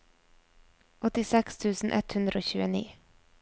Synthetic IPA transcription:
ʔɔt̪ɪsɛkst̪ʰʉːsn̩ʔɛt̪hʉnd̪ɾəoːçʉːənḭː

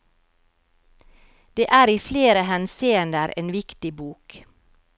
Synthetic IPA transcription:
d̪̥eːʔæːɾiːfleːɾəhɛnsiːənd̪əɾʔḛːnʋɪkt̪ɪbuːk

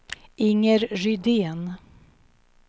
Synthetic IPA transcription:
ɪŋːəɾɾʏd̪eːn

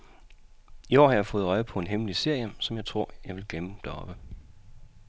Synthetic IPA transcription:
iɒ̰ːhɑjɑ̈ɪfɔ̽ːð̩ˠɒɪpʰɒ̽e̝nɦeməlise̝ɐ̰jəsɒ̽mjɑ̈ɪt͡sʰʁo̝ɐ̰jɑ̈ɪʋe̝lɡ̥leməd̥æɐɒ̽b̥ə

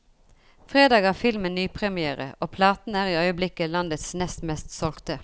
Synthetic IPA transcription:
fʁeːd̪ɑːɡæːfɪlmənnyːpʰʁɛmɪæːʁə̰oːpʰlɑːt̪n̩æːʁiːœʏəblɪkːəlɑnd̪ət̪snɛst̪mɛst̪sɔlkt̪ə

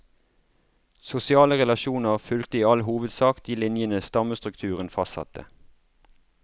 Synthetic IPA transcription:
sʊsɪɑːləʁɛlɑʃuːnəʁfʏlt̪əiːɑlɦuːʋəd̪sɑːkd̪̥iːlɪnjənəst̪ɑməst̪ʁʉkt̪ʰʉːʁənfɑst̪sɑ̰t̪ʰə̰

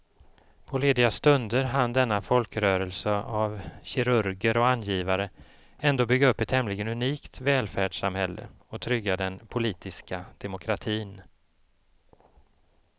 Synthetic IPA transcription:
pʰɔleːd̪ɪɡast̪ɵnd̪əɾɦand̪ɛnːafɔlkɾœːɾəlsəavɕɪɾɵɾɡəɾɔanːjiːvaɾə | ɛnd̪oːbʏɡːaɵpːɛt̪hɛmlɪɡənɵniːkt̪vɛːlfæːɖʂamhɛlːə̰ | ɔt̪ʰɾʏɡːad̪ɛnpʰʊliːt̪ʰɪskad̪̥ɛmʊkʰɾat̪ʰiːn

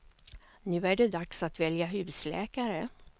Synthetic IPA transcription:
nʉ̟ːæɖɛd̪aksat̪vɛljaɦʉ̟ːslɛ̰ːkaɾə

